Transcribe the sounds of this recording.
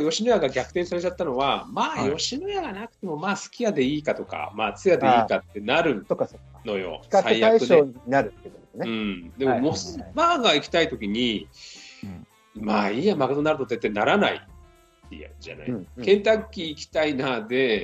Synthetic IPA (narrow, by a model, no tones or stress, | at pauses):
jo̞ɕinojaɡaɡʲakɯ̥t̪ẽsaɾe̞t͡ɕat̪ːano̞βamaːjo̞ɕinojaɡanakɯ̟t̪e̞mo̞maːsɨ̥kʲiad̪e̞iːkat̪o̞ka̰maːt͡sɨjad̪eiːkat̪ːe̞naɾɯ̟̃okːo | no̞jo̞̰aijaɯoeinaɾɯed̪eneɯ̃d̪e̞mo̞mosmaːɡaikʲi̥t̪ait̪o̞kʲiɲ̟i | maːiamaɡat̪o̞naɾɯ̟t̪ot̪et̪ːenaɾana̰ḭ | ḭa̰d͡ʑa̰na̰kẽ̞nt̪akʲːiːkʲi̥t̪ainad̪e̞